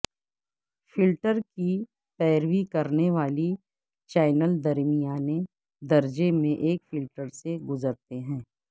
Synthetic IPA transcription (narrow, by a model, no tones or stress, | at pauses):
fɪlʈəɾki | pɛːɾʋikɐɾneʋaːli | t͡ʃaːɪnəld̪ɐɾmijaːne | d̪ɐɾd͡ʒemẽʔeːkfɪlʈəɾseɡʊzəɾt̪eɦɛ̃ː